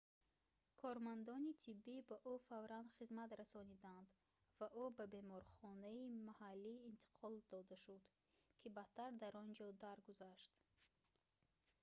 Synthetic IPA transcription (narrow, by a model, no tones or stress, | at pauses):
kʰɔɾmand̪ɔnit̪ʰibːibaʔufavɾand̪χizmat̪ɾasɔnid̪and̪ | vaʔubabe̞mɔɾχɔnaimahalːiːnt̪ʰi̥qʰɔld̪ɔd̪aʃud̪ | kʰibat̪ʰːaɾd̪aɾɔnd͡ʒɔd̪aɾɡuzaʃt̪